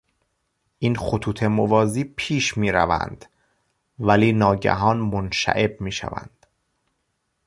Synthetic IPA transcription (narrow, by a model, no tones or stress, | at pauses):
ʔiːnxot̪ʰuːt̪ʰe̞movɒːziːpʰiːʃmiːɾæ̰væ̰nd̪̥ | væliːnɒːɟæ̰ɦɒːnmonʃæ̰ʔe̞b̚miːʃæ̰væ̰nd̪̥